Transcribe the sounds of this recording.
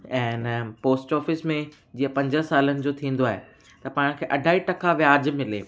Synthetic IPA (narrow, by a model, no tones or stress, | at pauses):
ɛ̃ːnpoːsʈɔːfɪsmẽ | d͡ʑiːə̃pɐ̃ɲd͡ʑə̆saːlənɪ̆d͡ʑoːt̪ʰĩːnd̪oaːɦe | t̪ɐpaːɽ̃kʰeːʔɐɖʱaːiʈɐkʰaʋjaːd͡ʑmɪleː